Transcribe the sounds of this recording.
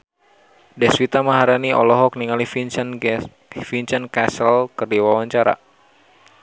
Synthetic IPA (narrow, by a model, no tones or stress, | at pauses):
dɛswit̪amaɦaɾaniʔɔ̰lɔɦɔk̚niŋalif | fiɲt͡ʃankasəlkɨrdiwawaɲt͡ʃaɾa̰